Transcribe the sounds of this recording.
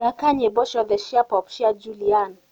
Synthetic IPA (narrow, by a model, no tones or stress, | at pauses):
akaɲɛbɔʃɔdɛʃiapɔpʃiad͡ʒulian